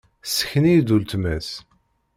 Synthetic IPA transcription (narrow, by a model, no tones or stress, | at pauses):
sə̥çnijd̪ult̪mæs